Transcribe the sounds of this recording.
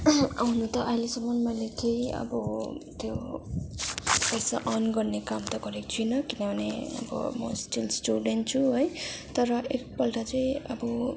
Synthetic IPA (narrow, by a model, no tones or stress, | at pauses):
ɦunut̪ʌʔajlesʌmːʌnmʌjlet̪ʰejʌ̰bʌt̪jo | pʌjsa̰ʔʌnɡʌrnekamt̪ʌɡʌɾekt͡sʰujnʌkinʌbʱʌneʌ̰bʌ̰mʌsʈilsʈuɖenʈ̚t͡sʰuɦojt̪ʌɾʌʔek̚pʌlʈat͡saj̃ʌbʌ